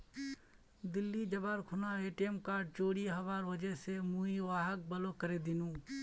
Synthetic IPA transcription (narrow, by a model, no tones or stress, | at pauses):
d̪ɪlːid͡ʒɐbaːɾkʰʊnaeːʈiəmkaːɾɖ̚t͡ʃoːɽiɦɐʋaːɾʋəd͡ʒəsemũːiʋaːɦək̚bəlokəɾed̪ɪnũː